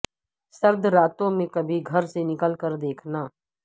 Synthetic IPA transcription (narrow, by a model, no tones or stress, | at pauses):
səɾd̪ɾaːt̪õmẽkɐbʱiɡʱɐɾsenɪkəlkəɾd̪eːkʰnaː